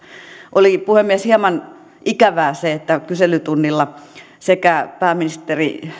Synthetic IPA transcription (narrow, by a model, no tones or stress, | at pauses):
ʔolipuhemmieshiemɑn | ʔikæʋæːseet̪ːækyselyt̪unːilːɑ | sekæpæːminist̪erḭ